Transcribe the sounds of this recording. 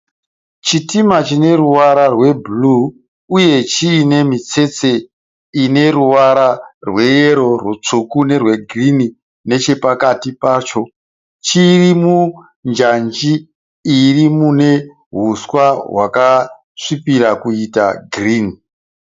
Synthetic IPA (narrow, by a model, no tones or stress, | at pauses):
t͡ʃitimat͡ʃine̞ruwaɾarwe̞blu | uje̞t͡ʃine̞mit͡se̞t͡se̞ | ine̞ɾuwaɾarwe̞jeɾo̞rwut͡ʂukune̞rwe̞ɡʱrini | ne̞t͡ʃe̞pakatipat͡ʃo̞ | t͡ʃirimu | nd͡ʒand͡ʒiː | rimune̞ | ɦuswaɦwa̰ka | ʂipiɾakuita̰ɡriːni